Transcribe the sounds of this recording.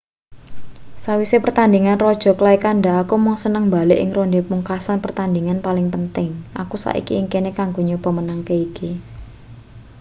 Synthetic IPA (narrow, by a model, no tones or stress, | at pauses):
sawisepərt̪and̪iŋanrɔd̥ʒ̥ɔ̤klaikanɖaːkumɔŋsənəŋmbaleʔɪŋrondemuŋkasanpərt̪and̪iŋanpalɪŋpənt̪ɪŋʔa̰kusa̰ʔḭkiːŋkenekaŋɡo̤ɲob̥ɔmənəŋkeiki